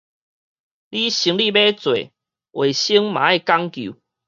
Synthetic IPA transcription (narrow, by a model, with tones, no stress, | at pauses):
li˦ɕi˧˦ŋli˥˨be˦t͡swḛ˨ | we˨˩ɕi˦ŋmã̰˨˦e˦˧˨ka˦ŋkjṵ˨˦